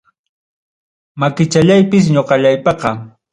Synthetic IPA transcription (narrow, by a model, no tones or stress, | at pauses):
makɪt͡ʃaʎajpɪs̬ɲoqɑʎajpɑqɑ